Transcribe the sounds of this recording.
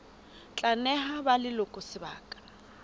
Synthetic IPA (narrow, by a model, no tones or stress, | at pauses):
t͡ɬʼanɛhabalɪlʊkʼɔsɪbaːkʼḁ